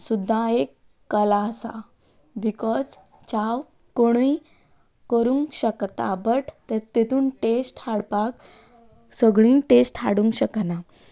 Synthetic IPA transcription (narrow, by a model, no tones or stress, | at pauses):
sud̪ʱːaekː | əlaəsa̰ | bikɔd͡z | t͡ɕaw | koɽ̃ui | kəɾũŋkɕəkt̪a̰bəʈʰt̪əɾt̪et̪uːnʈesʈhaɽpak | səɡɭĩːʈesʈha̰ɽũŋkɕəkna